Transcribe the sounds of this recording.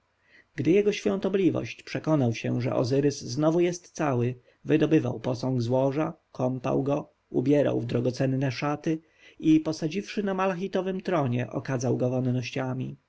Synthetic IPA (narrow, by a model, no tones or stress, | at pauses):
ɡ̥d̪ɘjɛɡɔɕfʲjɔ̃nt̪ɔblʲivɔ̰ɕt͡ɕpʂɛkɔnawɕɛ̰ʐɛ̰ʔɔ̰zɘɾɘsznɔvujɛst̪sawɘ | vɘd̪ɔbɘva̰wpɔsɔ̃ŋɡzwɔʐakʰɔmpa̰wɡɔ | ṵbʲjɛɾa̰wvd̪ɾɔɡɔt̪sɛnːɛʂat̪ɘ | ipɔsad͡ʑifʂɘnamalaxit̪ɔvɘmt̪ɾɔɲɛʔɔ̰kazawɡɔvɔnnɔɕt͡ɕamʲḭ